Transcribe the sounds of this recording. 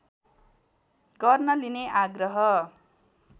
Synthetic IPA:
ɡʌrnʌlineʔaɡrʌɦʌ

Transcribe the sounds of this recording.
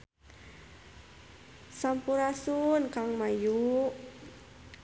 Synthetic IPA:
sampuɾasunkaŋmaju

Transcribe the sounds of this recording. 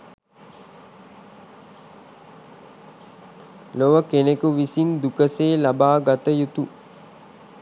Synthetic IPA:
loʋəkenekuʋisind̪ukəseːlabaːɡat̪əjut̪u

